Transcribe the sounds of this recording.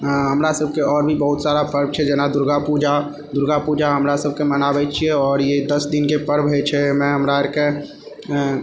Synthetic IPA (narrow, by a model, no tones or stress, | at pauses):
ɦəmɾasəb̚ʱkeɔːɾbʱibəɦut̪saɾapəɾb̚t͡ʃʰɛd͡ʒenad̪uɾɡapud͡ʒa | d̪uɾɡapud͡ʒaɦəmɾasəb̚ʱkemənabɛt͡ʃʰijɛɔːɾjed̪əsd̪inkepəɾbɦɛt͡ʃʰɛmɛ̃ɦəmɾaeɾke